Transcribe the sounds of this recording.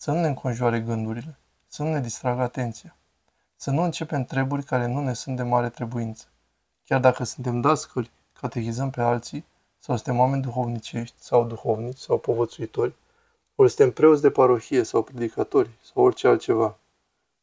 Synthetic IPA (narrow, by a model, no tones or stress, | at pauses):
sənune̞ɨŋkʰo̞nʒuaɾe̞ɡɨnd̪uɾile̞ | sənune̞d̪ist̪ɾaɡəat̪e̞nt̪sija | sənuɨnt͡ʃe̞pe̞mt̪ɾe̞burʲkaɾe̞nune̞sunt̪̚d̪e̞maɾe̞t̪ɾe̞buint̪sə̥ | kʲjard̪akəsɨnt̪e̞md̪askəlʲ | kʰat̪e̞xizəmpe̞alt̪si | sawsɨnt̪e̞mwame̞nʲd̪uxo̞vnit͡ʃe̞ʃt̪ʲsawd̪uxo̞vnit͡ʃʲsawpo̞vət̪suit̪o̞rʲ | olsɨ̥t̪e̞mpɾe̞ot̪s̬d̪e̞paɾo̞çije̞sawpɾe̞d̪ikat̪o̞ɾʲsawo̞rʲt͡ʃealt̪t͡ʃe̞va